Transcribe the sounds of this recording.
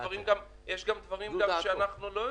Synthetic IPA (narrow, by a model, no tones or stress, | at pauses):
aʁimɡam | jeʃɡamd̪vaʁimɡaʃeanaχnulo